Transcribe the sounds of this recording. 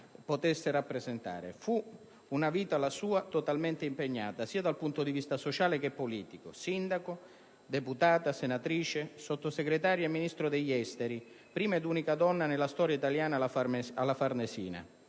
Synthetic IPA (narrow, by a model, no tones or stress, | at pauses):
pot̪esːɪɾapːɾezent̪a̰ːɾḛfu | unaviːt̪alasuːat̪ot̪alment̪eimpeɲːa̰ːt̪asiːad̪alpunt̪od̪ivist̪asot͡ʃaːlekepːoliːt̪ikosind̪ako | d̪eput̪aːt̪asenat̪ɾiːt͡ʃesot̪ːoseɡɾet̪aːɾjaemːinist̪ɾod̪eʎːɛst̪eɾi | pɾiːmed̪unikad̪ɔnːanelːast̪ɔːɾjait̪aljaːnaaalːafarnesḭːna̰